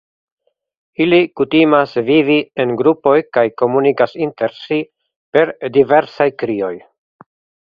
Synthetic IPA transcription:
ilikutimasvivienɡɾupo̞jkajko̞munikasinte̞ɾsi | pe̞ɾdive̞ɾsajkɾio̞j

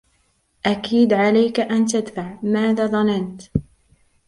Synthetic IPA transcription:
ʔakiːd̪ʕalajkaʔant̪ad̪faʕmaːðaːðˤɑnant̪

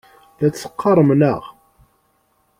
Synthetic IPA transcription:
ðæt͡sːə̥qːɑɾˤəmnəʁ

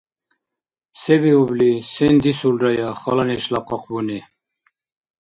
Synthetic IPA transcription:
sɛbiublisɛnd̪isulɾajaχɔlanɛʃlaqɔqʰbunɛ

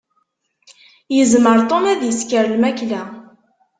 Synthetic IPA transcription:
jəzməɾˤt̪ˤomæðjəskəɾlmæklæ

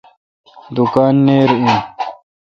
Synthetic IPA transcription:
d̪ukaːnːeːɾĩː

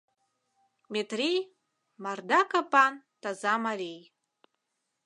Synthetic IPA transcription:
metʰrij | mardakapʼan | tʰazamarej

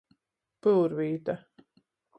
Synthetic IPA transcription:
pɨlɾviːt̪ɐ

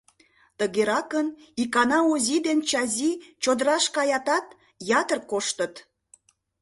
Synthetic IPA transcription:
t̪əɣeɾɑkənikɑnɑozʲid̪ent͡ɕɑzʲit͡ɕod̪əɾɑʃkɑjɑt̪ɑt̪ | jɑt̪ərkoʃt̪ət̪

